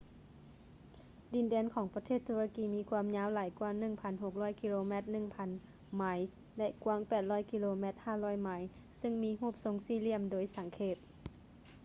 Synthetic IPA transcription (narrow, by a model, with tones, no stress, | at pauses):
di˨˩ndɛː˧˥nkʰɔː˩˦ŋpa˧t̪ʰeː˥˩t̪ʰːu˧la˧kiː˧˩miː˧˥kʰwuː˧˨mɲaː˧˥˨wlaː˨˦jkwu˧ə˧ŋnɯ˧˩ŋpʰa˧˥nɦo˨˧˩k̚lɔː˧˥˨jki˧loː˧mɛ˧˩t̪̚nɯ˧˩ŋpʰa˧˥n | ma˧˥j | lɛ˧ʔku˧ə˨ŋpɛː˨˩t̪̚lɔː˧˥˨jki˧loː˧mɛ˧˩t̪̚haː˧˩lɔː˧˥˩jma˧˩j | sɯ˧˥˨ŋmiː˧˥ɦuː˥˩p̚so˧ŋsiː˧˩li˧˩əmdoː˧˦jsa˨˩˦ŋkʰeː˧˩t̪̚